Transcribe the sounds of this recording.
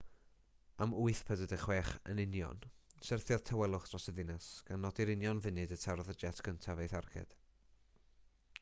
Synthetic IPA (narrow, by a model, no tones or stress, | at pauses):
amʊɨθpʰədədɪχwɛχə̰nɪnjɔ̰nsɛrθjɔð̥tʰawɛlˠʊχd̥rɔsəðɪnasɡ̥anːɔdiɾɪnjɔnvɪnɨdətʰaɾɔðəd͡ʒɛtʰkʰəntʰavejθarɡʰɛ̰d̥